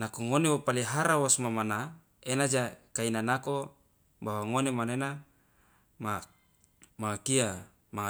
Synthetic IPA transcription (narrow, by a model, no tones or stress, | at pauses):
nakoŋonewopaliɦaɾawosmamana | enad͡ʒakainanako | bawaŋonemanena | ma | maakia | maŋa